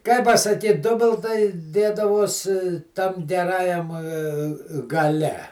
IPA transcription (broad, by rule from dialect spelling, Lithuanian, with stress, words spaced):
kɐɪ pɐsɐˈkʲiːt ˈdʊbʲɪlˠtɐɪ ˈdʲeːdɐʋoːs tɐm ɡʲɛˈrɑːjɛm ɡɐˈlʲɛ